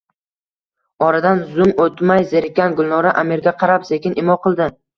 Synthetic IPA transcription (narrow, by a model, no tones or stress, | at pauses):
ɒɾad̪anzʊmot̪majzeɾɪkʲːanɡʊlˠnɒɾaʔamiɾɡʲaqʰɑɾapsekʲɪnʔɪmɒqʰɨlˠd̪ɪ